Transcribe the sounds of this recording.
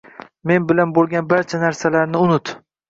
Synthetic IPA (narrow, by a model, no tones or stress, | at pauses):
me̞nbɪlanbolˠɡʲanbaɾt͡ʃʰanaɾsalaɾnɪʊnʊt̪